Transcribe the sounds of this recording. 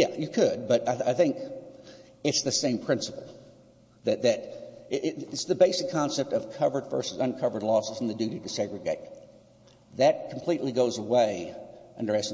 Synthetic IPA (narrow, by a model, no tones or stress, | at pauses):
jæjɨkʰɨd̚bʌɾaɪaɪθɪ̃ŋk | ɨtsðɨsẽɪ̃mpʰɹ̥ɪ̃nsəpl̩ˠ | ðɨt̪̚ðɨɾɪʔɪtsðɨbeɪsɨkʰːɑ̃nsɛp̚tʌv̥kʰʌvə˞dvɜ̰˞sɨzʌ̃nkʰʌvə˞dˡlɔsəzn̩ðɨdʉɾiɾɨsɛɡɹɨɡeɪt̪̚ | ðɨt̚kʰm̩pʰl̥iʔˡliɡoʊzəweɪʌ̃ndə˞ɛs